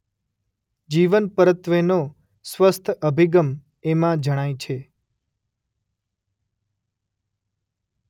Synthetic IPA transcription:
d͡ʒiʋənpəɾət̪ʋeno | sʋəst̪ʰəbʱiɡəm | emãd͡ʒəɽ̃ajt͡ʃʰe

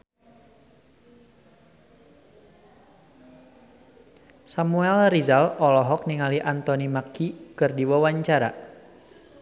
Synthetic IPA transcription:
samuɛlrizalɔlɔɦɔk̚niŋaliʔant̪ɔnimakikɨrdiwawaɲt͡ʃaɾa

